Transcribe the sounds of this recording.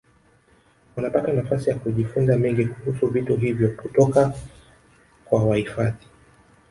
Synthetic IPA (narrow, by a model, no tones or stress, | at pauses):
unapatanafasijakuʄifunzamɛŋɡikuhusuvituɦivjɔputɔka | kwawahifaði